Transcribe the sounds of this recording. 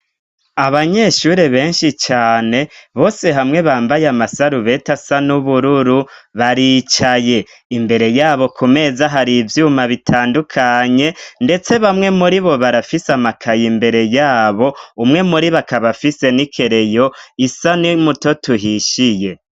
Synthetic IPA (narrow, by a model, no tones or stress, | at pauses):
aβaɲe̞ːʃuɾe̞βe̞ːnʃit͡ʃaːne̞βo̞ːse̞ɦamŋe̞βaːmbajamasaɾuβe̞ːtasanuβuɾuɾuβaɾit͡ʃaje̞ | imbe̞ɾe̞jaːβo̞kʰume̞zaɦaɾivjuːmaβitʰaːndukʰaɲe̞nde̞t͡se̞βamŋe̞muɾiβo̞βaɾafisamakʰajimbe̞ɾe̞jaːβo̞umŋe̞muɾiβakaβafise̞nikʰe̞ɾe̞jo̞isanimuto̞tuɦiʃije̞